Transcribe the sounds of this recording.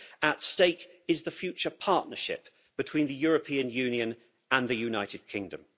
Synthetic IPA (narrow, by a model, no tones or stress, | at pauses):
ətsteɪkɪzðəfjʉˑt͡ʃəpʰɑˑʔnəʃɪ̰p | b̥ɪtʰw̥ĩːnðəjɔːɹəpʰĩə̃njʉ̃njiə̃n | ə̃nðəjʉnaɪtɪd̚kʰɪ̃ŋdə̰̃m